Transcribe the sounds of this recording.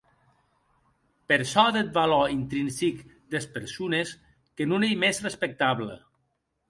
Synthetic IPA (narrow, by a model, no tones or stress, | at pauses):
peɾsɔðet̪̚balɔint̪ɾinsik | d̪espəɾsunes | kənunejmezrespək̚t̪aβlə̰